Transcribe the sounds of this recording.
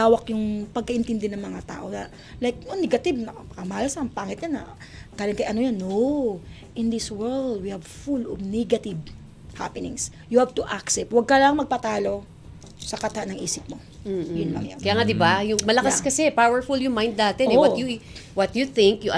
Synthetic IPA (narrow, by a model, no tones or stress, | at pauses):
t̪aːwɐkjʊŋpɐɡ̚kɐʔɪnt̪ɛnd̪ɛnɐŋmɐŋat̪a̰ːʔo̞nɐ | lajk̚nonɛɡɐt̪ɪbnɐ | kɐmaːlɐsɐŋpaːŋɪt̪ɲanːɐ̰ | ɡ̥aːlɪnkɐjʔɐnojanːo | ʔɪ̃nd̪ɪswɛɹld̪̚wihɐvfulɔvnɛɡɐt̪ɪv | ha̰pɛnɪ̰ŋs | jʊhavt̪ʊʔaksɛp̚t̪̚wɐɡ̚kɐlaŋmɐɡ̚pɐt̪aːlo̞ | sɐkat̪anɐŋʔḭːsɪp̚mo | jʊnlɐ̰ŋja̰ŋkɐjaːŋad̪ɪbajʊŋmɐlɐkaskɐsɛpawɛɹfʊljʊŋmaj̃nd̪̚ːaːt̪ɛɛwɔt̪juwɐt̪juθɪ̃ŋkjʊ